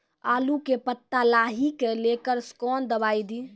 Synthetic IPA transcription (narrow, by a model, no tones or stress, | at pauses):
aːlukepət̪ːalaɦikelekəɾskɔnd̪əbajd̪i